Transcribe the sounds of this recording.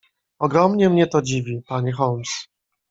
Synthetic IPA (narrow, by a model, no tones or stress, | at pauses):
ɔɡɾɔmɲɛmɲɛt̪ɔd͡ʑivʲipaɲɛxɔms